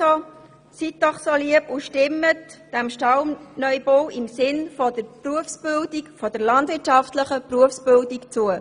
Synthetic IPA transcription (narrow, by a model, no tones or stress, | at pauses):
o | sit̚dɔχsoliəpuʃtɪmːətd̥æmʃtɑwnœʏbowɪmsɪnfɔd̥əɾpruəfsb̥ɪldikfɔd̥əɾlɑndvɪtʃɑftləχəpruəfsb̥ɪldikt͡suə